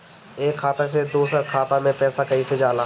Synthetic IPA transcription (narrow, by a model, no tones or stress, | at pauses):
eːkʰːaːt̪es̬ed̪uːsəɾkʰaːt̪amẽpɛːsakɐised͡ʒaːlaː